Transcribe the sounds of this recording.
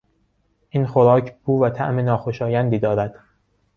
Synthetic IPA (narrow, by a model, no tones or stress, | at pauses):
ʔinxoɾɒːcʰb̥uːvæt̪ʰæ̰ʔmenɒːxoʃɒːjænd̪iːd̪ɒːɾæd̪̥